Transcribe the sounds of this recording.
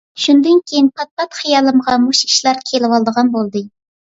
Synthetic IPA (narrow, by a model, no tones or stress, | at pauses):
ʃund̪ɨnkʲʰejinpʰɑt̪̚pɑt̪χijɑlˠɨmʁɑmuʃʰʲi̥ʃlˠɑɾkʲʰelɪwɑlˠd̪əʁɑnbolˠd̪ɨ